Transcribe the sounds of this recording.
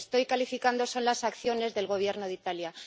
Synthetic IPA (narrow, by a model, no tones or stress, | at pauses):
st̪o̞jkalifikand̪o̞so̞nlasakθjo̞ne̞zðe̞lɣo̞β̞je̞ɾno̞ðit̪alja